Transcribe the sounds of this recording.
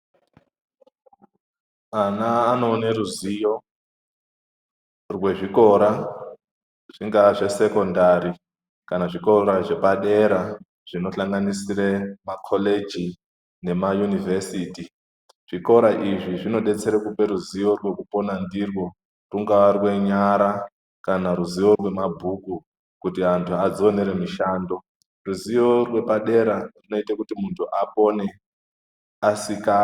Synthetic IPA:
anaːno̞ːneɾuzijo̞ | rwe̞ʐiko̞ɾa | ʐ̥iŋɡaʐe̞se̞ko̞ndaɾi | kanaʐiko̞ɾaʐe̞paɗe̞ɾa | ʐ̥ino̞ɬaŋɡanisiremakʰoled͡ʒi | ne̞majunivesiːti | ʐ̥iko̞ɾaʔiʐiʐino̞ɗe̞t͡se̞ɾekupe̞ɾuziʋo̞rwe̞kupo̞nandirwo̞ | ruŋɡaʋarwe̞ɲaɾa | kanaɾuziʋo̞rwe̞mabʱuku | kutiantʰuad͡zoneɾe̞miʃaːndo̞ | ruziʋo̞rwe̞paɗe̞ɾarino̞itakutimuntʰuʔapo̞ne̞ | asika

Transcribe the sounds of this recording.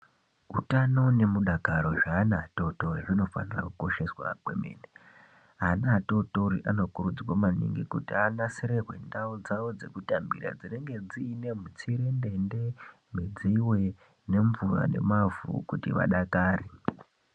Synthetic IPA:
utano̞ne̞muɗaɡʱaɾo̞ʐaːnaːto̞to̞riʐino̞fa̰nira̰kuko̞ʃe̞swa̰kwe̞̰mḛːne | anaːto̞toɾiʔano̞kuɾud͡ziwomanḭŋɡikutianaseɾe̞rwe̞̰ndaud͡zaʋod͡ze̞̰kutambiɾa̰d͡zine̞ŋɡe̞d͡ziːne̞mut͡siɾe̞nde̞nde | mid͡ziwe̞ | ne̞ɱvura̰ne̞̰mavṵkutḭʋa̰ɗakaːri

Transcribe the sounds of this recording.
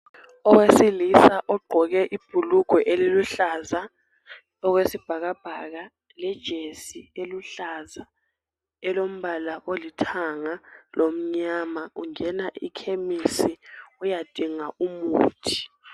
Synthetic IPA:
ɔk̬wesilisaʔɔɡ͡ǃʱɔɣ̬ɛʔib̥ʱuluɡ̥ʱwɔʔeliluɬaːza | ɔɣ̬wesib̥ʱaɣab̥ʱaɣ̬a | lɛd̥ʒ̥ʱesieluɬaza | ɛlom̩βalaʔolitʰaŋalʔom̩ɲamauŋɛnaʔḭkʰemisiujad̥ʱiŋaʔumuːtʰi̥

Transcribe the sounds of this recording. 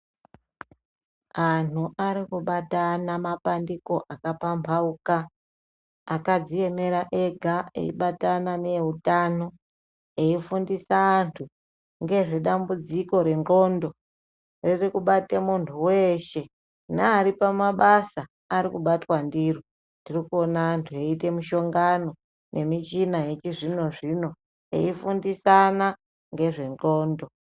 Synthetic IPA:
anuʔaɾikuɓatanamapandiko̞ʔakapampʰaukaː | kad͡zije̞me̞ɾaʔe̞ɡʱaḛḭɓatanane̞ɦutano̞ | e̞ifundisaːntʰu | ŋɡe̞ʐe̞ɗambud͡ziko̞ɾe̞ŋo̞ndo̞ | ririkuɓatemuntʰuweʃe̞ | naːɾipamaɓasaː | ɾikuɓatwandiri | ndirikuonaːntʰueite̞muʃo̞ŋɡano̞ | nʔe̞mit͡ʃinajet͡ʃiʐino̞ʐino̞ | ḛifundisana | ŋɡe̞ʐe̞nɡo̞ːndo̞

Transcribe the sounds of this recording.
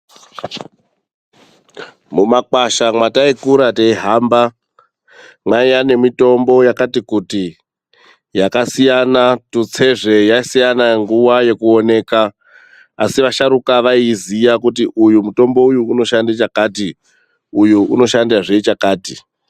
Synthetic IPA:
mumakwaʃamwataikuɾataiɦaːmba | maijane̞mito̞mbo̞jakatikuti | jakasijanatut͡sʰe̞ʐe̞jasijanaŋɡuwaje̞kuo̞ne̞ːkaː | siʋaʃaɾukaʋaizijakutiʔujumuto̞mbo̞ujuːno̞ʃandet͡ʃakaːti | ujuuno̞ʃandiaʐeit͡ʃakaːti

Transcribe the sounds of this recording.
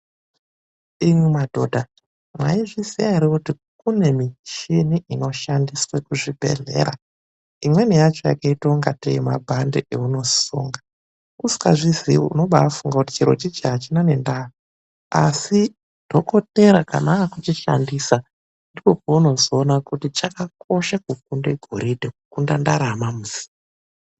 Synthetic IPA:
imwimadʱo̞dʱa | mwaiʐisiaiɾikuti | kune̞mit͡ʃiniʔino̞ʃandiswekuʐibʱe̞̰ɮe̞̰ːɾa | imwe̞nijat͡ʃoja̰kaituŋɡateimabʱandḛʔeuno̞sṵŋɡa | usi̥ka̰ʐizḭuno̞ɓaafuŋɡakuti̥t͡ʃiɾo̞̰t͡ʃid͡ʒaat͡ʃinane̞ndaɦa | a̰si | dʱo̞ko̞te̞ɾaka̰naːkut͡ʃiʃa̰ndisa | ndiko̞pouno̞zoːnakutit͡ʃakak̚ʰo̞ʃakuk̚undeɡʱoɾidʱekukundandaɾamamuzi̥a

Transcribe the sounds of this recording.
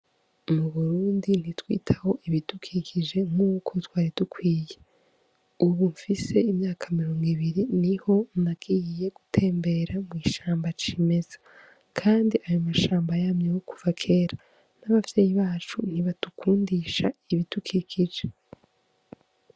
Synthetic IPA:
muβuɾuːndin̥itwḭːtʰaho̞ʔiβitukʰikʰid͡ʒe̞ŋ̥uːkʰo̞twaːɾitukʰwiːje̞ | uβuɱfise̞imɲaːkʰamiɾo̞ːŋɡiβiɾiniho̞naɡ̥iːjije̞ɡ̥utʰe̞ːmbe̞ɾamŋiːʃaːmbat͡ʃime̞zḁ | kʰaːndiʔajo̞maʃaːmbajaːmɲewokuvakʰe̞ːɾa | naβavje̞ːjiβaːt͡ʃun̥iβatukʰuːndiʃaiβitukʰikʰid͡ʒe

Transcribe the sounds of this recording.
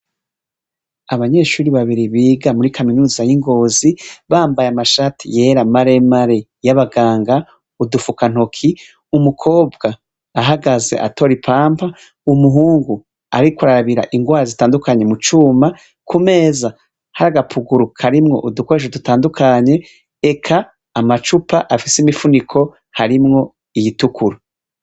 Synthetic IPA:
aβaɲe̞ːʃuːɾiβaβiɾiβiːɡamuɾikʰaminuːzajiŋɡo̞ːziβaːmbajamaʃaːtʰḭje̞ːɾamaɾe̞maɾe | jaβaɡaːŋɡa | udufukan̥o̞kʰi | umukʰo̞ːb̚ɡaː | ɦaɡaze̞̰ʔa̰to̞ɾipʰaːmpʰa | umuɦuːŋɡu | aɾikuɾaɾaβiɾa̰ʔiŋɡwaːɾazitaːndukaɲe̞mut͡ʃuːma | kʰume̞ːza | haɾaɡapʰuɡuɾukʰaɾimŋo̞̰ʔudukoɾeʃ̬odutaːndukʰaɲe̞ː | kʰaː | mat͡ʃupaʔafisimifunikʰo̞ | haɾimŋo̞ | ijitukuɾo

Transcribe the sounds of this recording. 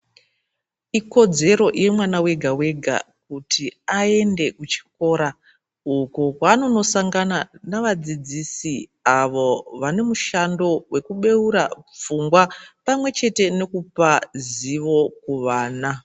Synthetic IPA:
iko̞d͡ze̞ɾo̞ʔjemwanawe̞ɡʱawe̞ɡʱa̰kutʰiae̞nde̞kut͡ʃi̥ko̞ɾa | ukokwaːno̞no̞saŋɡananaʋad͡zid͡zisiaʋo̞ʋane̞muʃando̞wʔe̞kuɓe̞uɾap͡fuŋɡwapamwe̞t͡ʃe̞te̞ne̞kupaziʋo̞kuʋaːna

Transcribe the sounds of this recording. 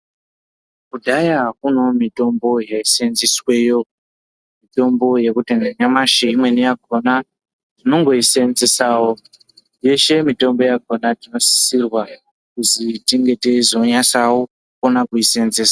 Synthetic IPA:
kudʱajaɦakuno̞mito̞mbo̞jaisenziswe̞jo̞ | mito̞mbo̞je̞kuteneɲamaʃeimwe̞nijaɡʱona | tino̞ŋɡo̞ise̞nzesaːwo | je̞ʃe̞mito̞mbo̞jaɡʱo̞natino̞si̥sirwa | kuzitiŋɡe̞tezo̞ɲasawo | konakuise̞nzeːsa

